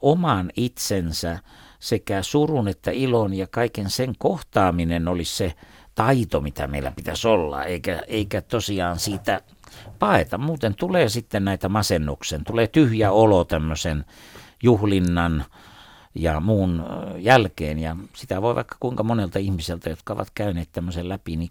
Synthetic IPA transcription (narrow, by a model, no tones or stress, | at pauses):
omɑnit̪sensæ | sekæsurunet̪ːæilonjɑkɑikenseŋkoht̪ɑːminenolisse | t̪ɑit̪omit̪æ̰meilːˑæ̰pit̪æsolːɑ̰eikæeikæt̪osiɑːnsiːt̪æ | pɑet̪ɑmuːt̪ent̪uleːsit̪ːennæˑit̪æmɑsenːuksent̪uleːt̪yhjæolot̪æmːøsen | juhlinːɑn | jɑmuːnjælkḛːnjɑsit̪æʋoˑiʋɑ̰ˑikːɑ̥kuiŋkɑmonelt̪ɑihmiselt̪æjot̪kɑoʋɑ̰t̪kæyneːt̪t̪æmːøsellæpini